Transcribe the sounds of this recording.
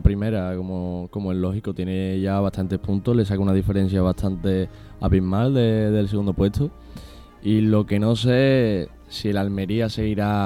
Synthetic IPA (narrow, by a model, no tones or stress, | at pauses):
pɾime̞ɾakomoko̞moello̞ɦikot̪je̞neʝaβ̞at̪ʰant̪e̞hpʰunt̪ole̞sakunað̞ifeɾe̞n̟θjaβ̞at̪ʰant̪e̞ | aβimald̪eðe̞ls̬eɣund̪opwe̞t̪ʰo | ilo̞ke̞no̞se̞ | sielalme̞ɾiase̞ɣiɾa